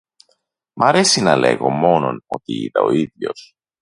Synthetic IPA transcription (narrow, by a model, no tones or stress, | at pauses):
mɐɾe̞sinɐle̞ɣo̞mo̞no̞no̞t̪iḭt̪ɐo̞iðʝo̞̰s